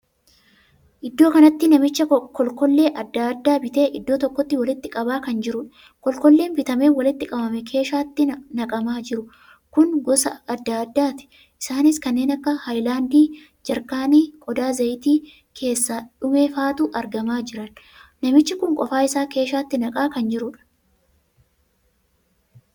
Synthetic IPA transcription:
ʔɪd̪ːoːkɐnɐt̪ːɪnɐmɪt͡ʃːɐkɔlkɔlːe̞ːʔɐd̪ːad̪ːaːbɪt̪e̞ːʔɪd̪ːo̞ːt̪ɔkːɔt̪ːɪwɐlɪt̪ːɪkʼɐbaːkɐnd͡ʒɪɾʊᶑ | kɔlkɔlːe̞ːnbɪt̪ɐmeːwɐlɪt̪ːɪkʼɐbɐmɛkʰe̞ːʃaːt̪ːɪnɐkʼɐmaːd͡ʒɪɾʊ | kʊnɡɔsɐɐd̪ːaɐd̪ːaːt̪ɪ̥ | ʔɪsaːnɪskɐnːe̞ːnɐkːɐhɐjlaːnd̪iː | d͡ʒɐɾkaːniːkʼɔd̪aːzɐjt̪iː | kʰe̞ːsːaːᶑʊme̞ːfaːt̪uːʔɐɾɡɐmaːd͡ʒɪɾɐn | nɐmɪt͡ʃːɪkʊŋkʼɔfaːɪsaːke̞ːʃaːt̪ːɪnɐkʼaːkɐnd͡ʒɪɾʊᶑɐ̥

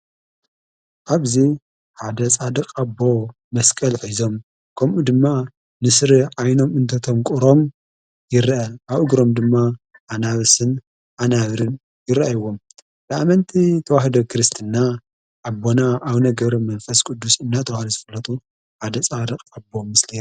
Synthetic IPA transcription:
ʔaβzi | ħad̪ɐsʼad̪ɐkʼabːo̞ | mɐskʼɐlħizo̞m | kʰɐmʔud̪ɨmːa | nɨsɾiʔajno̞mɨnt̪ʰɐt̪ʰo̞mkʼuɾo̞m | jɪraʔaʔaβɨɡɾo̞md̪ɨmːa | ʔanaβɨsɨn | ʔanaβɾɨn | jɪɾɐʔajɨwːo̞m | b̥ɨamɐnt̪ʰit̪ʰɐwahd̪okʰɨɾɨst̪ʰɨnːa | ʔabːo̞naʔaβnɐɡɐβɾɐmɐnfɐskʼud̪ːusɨnːat̪ʰɐwahd̪ozɨfɐlːɐt̪ʼu | ħad̪ɐsʼad̪ɐkʼabo̞mɨsli

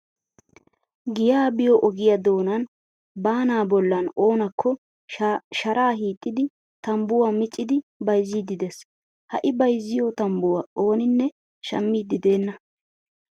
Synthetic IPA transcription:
ɡɪjaːbɪjɔʔɔɡɪjɐd̪o̞ːnɐn | baːnaːbɔlːɐno̞ːnɐkːɔ | ʃɐɾʔaːhiːt̪ʼːɪd̪ɪ | t̪ɐmbʊwaːmɪt͡ʃʼːɪd̪ɪbɐjzːid̪ɪd̪ɛs | hɐ̰ʔɪbɐjzːɪjɔt̪ɐmbʊwaʔo̞ːnɪnːɛ | ʃɐ̰mːiːd̪ɪd̪e̞ːnːɐ

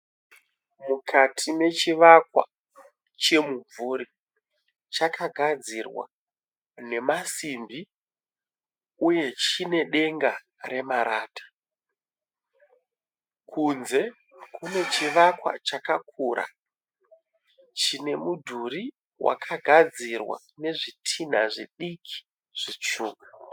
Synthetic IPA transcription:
mukʰatʰime̞t͡ʃiʋakwa̰ | t͡ʃe̞muɱvuɾi | t͡ʃakʰaɡʱad͡zirwa̰ | ne̞masimbi | uje̞t͡ʃine̞ɗe̞ŋɡa | ɾe̞maɾaːtḁ | kʰunze̞ | kʰune̞t͡ʃiʋakwa̰t͡ʃakakʰuːɾa̰ | t͡ʃine̞mudʱuɾi | wʔa̰kʰaɡʱad͡zirwa̰ | ne̞ʐitʰin̤aʐiɗikʰi̥ | ʐ̥it͡ʂuːka

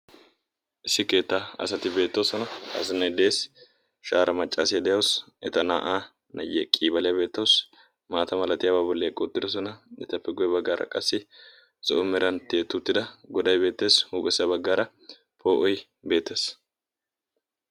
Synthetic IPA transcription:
ʔɪsːɪke̞ːt̪ːaːɐ̰sɐt̪ɪbe̞ːt̪ːɐwsɔnɐɐ̰sɪnɐjd̪e̞ːs | ʃaːɾʔɐmɐt͡ʃʼːasɪjɐd̪ɛjɐws | ɛt̪ɐna̰ːʔaː | nɐjɛkʼiːbɐlɪjɐbe̞ːt̪ːɐws | maːt̪ɐmɐlɐt̪ɪjaːbaːbɔlːeːkʼɔt̪ːɪd̪ɔs̬ɔnɐɛt̪ːɐpːɛɡʊjɛbɐɡːaːɾʔɐ̰kʼɐsːɪ | zɔʔʊmɛɾɐnt̪eːt̪ːʊt̪ːɪd̪ɐɡɔd̪ɐjbe̞ːt̪ːe̞ːshuːɡɛsɪjɐbɐɡːaːɾɐ | po̞ːʔɔj | be̞ːt̪ːe̞ːs

